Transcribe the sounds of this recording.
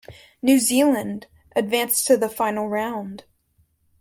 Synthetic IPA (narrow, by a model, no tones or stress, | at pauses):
nʉzilˠɨ̃nd | ʔɨdvæ̃nstʰɨðəfãɪ̃nl̩ˠɹãʊ̃nd̥